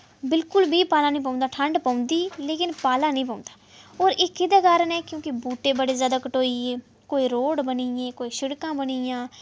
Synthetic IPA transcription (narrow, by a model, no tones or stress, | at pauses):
bɪlkʊlbiːpaːlaːnĩːp̬ãːnd̪aːʈʰəɳɖpaːʊ̃nd̪iːleːkɪnpaːlaːnəĩːp̬ãːʊ̃nd̪ḁː | oːɾɪkːid̪aːkaːɾənɛːkjõːkɪbuːʈeːbəɽeːzjaːd̪aːkəʈoːiːeː | koːiːɾoːɽbəniːjẽːkoːiːʃɪɽkãːbənijãː